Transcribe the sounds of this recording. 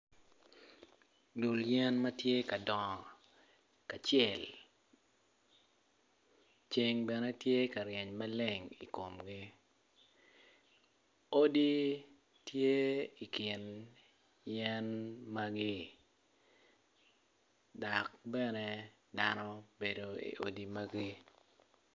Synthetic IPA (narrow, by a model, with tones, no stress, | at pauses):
lu˨ljɛ˦nmɐ˦tje˦ka˨dɔ˨ | ka˨t͡ʃɛ˦˨l | t͡ʃe˨ŋbɛ˨nɛ˦tje˦ka˨ɾjɛ˨ɲma˦le˨ŋḭ˨ko˨mɡi˦ | o˦di˦ | tje˦i˨kɪ˨n | jɛ˦nma˦ɡi˦ | dɔ˨kbɛ˦nɛ˦ | da˦nɔ˦be˨do˨ḭ˨ʔo̰˦di˦ma˦ɡi˦